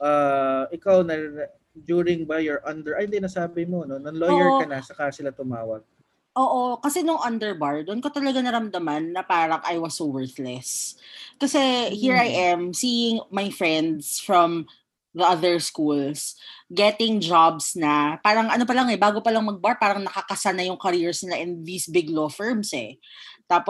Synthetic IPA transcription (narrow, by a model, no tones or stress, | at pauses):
ʔaɪkawnɐ | d͡ʒjuːɾɪŋbajɛɹʔɐnd̪ɛɹʔɐjnɪnasaːbɪmononɐŋlojɛɹɐnɐt͡ʃɐkasɪlat̪ʊmaːwɐɡ̚ | ʔoːʔokɐsɛnʊŋʔɐnd̪ɛɹbaɹd̪onkot̪ɐlɐɡanɐɾɐmd̪ɐmanːɐpaːɾɐŋʔajwɐsːowɛɹθlɛskɐsɛhiɹajʔɛmsiːɪŋmɐjfɹɛnd̪sfɹɔm | ðɐʔɐðɛɹskulsɡɛt̪ɪŋd͡ʒabsnɐpaːɾɐŋɐnopɐlɐŋɛbaːɡopɐlɐŋmɐɡ̚baɹpaːɾɐŋnɐkɐkɐsanɐjʊŋkɐɾiɹsnɪlaʔɛnðiːsbɪɡlofɛɹmsɛ̰ | t̪aːpo